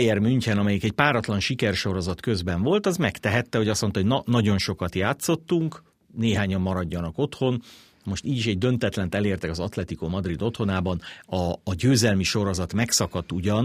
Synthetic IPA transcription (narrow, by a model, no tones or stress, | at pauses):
jɛrmyɲcɛnɒmɛjikɛcpaːɾɒt̪lɒnʃikɛrʃo̞ɾo̞zɒt̪kø̞zbɛɱvo̞lt̪ɒzmɛkt̪ɛɦɛt̪ːɛɦo̞ɟɒsmont̪ɒɦoɟnɒnɒɟo̞nʃo̞kɒt̪jaːt̪so̞t̪ːuŋk | neːɦaːɲɒmːɒɾɒɟːɒnɒko̞t̪ho̞n | mo̞ʃt̪iːɟiʃɛɟ̚d̪ø̞nt̪ɛt̪lɛnt̪ɛleːrt̪ɛkɒzɒt̪lɛt̪ikomɒd̪rid̪o̞t̪ho̞naːbɒnɒːɟøːzɛlmiʃo̞ɾo̞zɒt̪mɛksɒkɒt̪ːuɟɒn